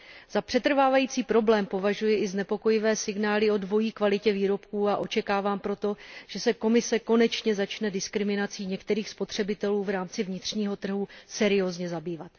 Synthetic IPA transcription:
z̥apr̝̥ɛt̪r̩vaːvajiːt͡siːpɾo̞blɛːmpo̞vaʒujɪʔɪznɛpo̞ko̞jɪvɛːsɪɡnaːlɪo̞dvo̞jiːkvalɪcɛviːɾo̞pkuːaʔo̞t͡ʃɛkaːvaːmpɾo̞t̪o̞ʒ̥ɛsɛko̞mɪsɛko̞nɛt͡ʃɲɛzat͡ʃnɛdɪskɾɪmɪnat͡siːɲɛkt̪ɛɾiːxspo̞t̪r̝̥ɛbɪt̪ɛluːvɾaːmt͡sɪvɲɪt̪r̝̥ɲiːɦo̞t̪r̩ɦusɛɾɪozɲɛzabiːvat̪

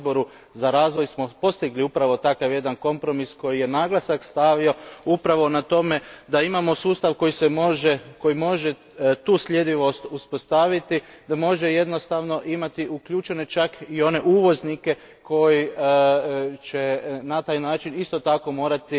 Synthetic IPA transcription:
boɾu | zaɾaːzʋo̞jsmopo̞st̪iɡliupɾaʋo̞t̪akaʋje̞d̪anko̞mpɾo̞misko̞jije̞naːɡlˠasakst̪aʋio̞upɾaʋo̞nat̪o̞me̞d̪aimamo̞suːst̪aʋko̞jisemoʒeko̞jimo̞ʒe̞ | t̪uːsʎʲe̞d̪iʋo̞st̪uspo̞st̪aʋit̪id̪amo̞ʒe̞je̞d̪no̞st̪aʋno̞ʔimat̪iʔukʎuːt͡ʃe̞ne̞t͡ʃakio̞ne̞ʔuːʋo̞znike̞ | ko̞ji | t͡ʃe̞nat̪aːjnaːt͡ʃinist̪o̞t̪ako̞mo̞ːɾat̪i

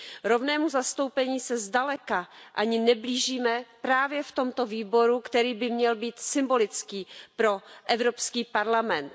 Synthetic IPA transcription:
ɾo̞vnɛːmuzast̪o̞wpɛɲiːsɛzdalɛkaʔaɲɪnɛbliːʒiːmɛpɾaːvjɛft̪o̞mt̪o̞viːbo̞ɾukt̪ɛɾiːbɪmɲɛlbiːt̪sɪmbo̞lɪt͡skiːpɾo̞ʔɛvɾo̞pskiːpaɾlamɛnt̪

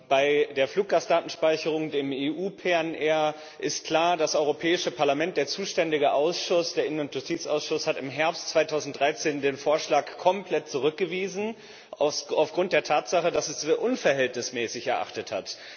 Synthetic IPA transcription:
b̥aɪdeːɐfluːk̚ɡ̥aːsd̥aːtn̩ʃpaɪçəʁ̞ʊŋdeːmeʔuːpʰeɛnʔɛɐ | ʔɪstkl̥aːɐdasʔɔʏʁopʰɛːɪʃəpʰaɐlamɛnt̚d̥eːɐt͡suːʃtɛndɪɡəʔaʊsʃʊsd̥eːɐɪnənʊntjʊstʰiːt͡sa̰ʊsʃʊshatɪmɦɛɐpstt͡sv̥aɪtʰaʊzn̩t̚d̥ʁaɪt͡seːndeːnfoːɐʃlaːkkʰːɔmplɛt̚t͡suʁ̞ʏk̚ɡ̥əviːzn̩ | ʔasaʊfɡ̥ʁʊnt̚d̥eːɐtʰaːtz̥aχədasɛsveːɐʔʊnfɛɐɦɛltnɪsmɛːsɪçɛɐʔa̰χtəthat

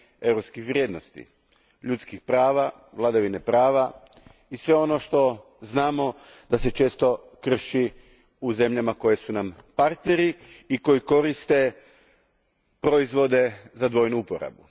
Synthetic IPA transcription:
e̞wɾopskixʋɾjed̪no̞st̪ḭ | ʎut̪skixpɾaːʋa | ʋlˠad̪aʋinepɾaːʋa | isʋe̞o̞no̞ʃt̪o̞ | znaːmo̞ | d̪̥ase̞t͡ʃe̞ːst̪o̞ | kr̩ʃi | uze̞mʎamako̞je̞sunampaɾt̪ne̞ɾiiko̞iko̞ɾist̪e̞ | pɾo̞izʋo̞d̪e̞zad̪ʋo̞jnuupoɾa̰bu

